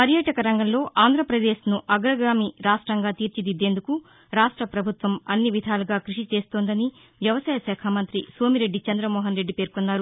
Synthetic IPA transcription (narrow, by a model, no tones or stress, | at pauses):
pɐɾjɐʈɐkɐɾɐŋɡɐmlo̞ːʔaːnd̪ʱɾɐpɾɐd̪e̞ːʃnuʔɐɡɾɐɡɾaːmiɾaːʂʈɾɐŋɡaːt̪iːɾt͡ʃid̪id̪e̞ːnd̪uku | ɾaːʂʈɾɐpɾɐbʱut̪ʋɐmɐnːiʋid̪ʱaːluɡaːkɾuʂit͡ʃe̞ːst̪oːnd̪ɐni | ʋjɐʋɐsaːjɐsɛːkʰaːmɐnt̪ɾisʋoːmiɾe̞ɖːit͡ʃɐnd̪ɾɐmɔːɦɐnɾe̞ɖːipe̞ːɾkonːaːɾu